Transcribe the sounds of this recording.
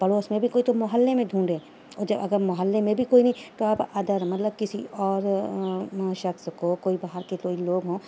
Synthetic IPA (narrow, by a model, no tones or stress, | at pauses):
pɐloːsmẽbʱikoːit̪omɐɦəlːemẽd̪ʱũːɳɖẽː | ɔːd͡ʒɐbɐɡəɾmɐɦəlːemẽbʱikoːinɐɦĩt̪oapɐd̪əɾmɐt̪ləb̚kɪsḭʔɔːɾ | ʃɐkskokoːibaɦəɾkekoːiloːɡɦõː